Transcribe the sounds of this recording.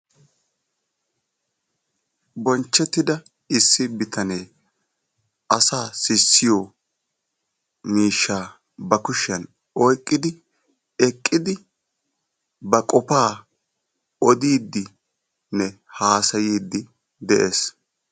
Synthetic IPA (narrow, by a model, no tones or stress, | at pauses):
bɔnt͡ʃːɛt̪ːɪd̪ɐ | ɪsːɪbɪt̪ɐneː | ʔɐsaːsɪsːɪjo | miːʃːaː | bɐkʊʃːɐn | ɔjkʼːɪd̪ɪ | ɛkʼːɪd̪ɪ | bɐkʼɔpaː | ɔd̪iːd̪ːɪ | nɛ | haːsɐjiːd̪ːɪ | d̪ɛʔe̞ːs